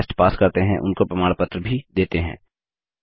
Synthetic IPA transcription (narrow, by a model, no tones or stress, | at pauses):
sʈpaːskɐɾt̪eɦɛ̃ʔʊ̰nkopɾɐmaːɽpət̪ɾəbʱid̪eːt̪eɦɛ̰̃ː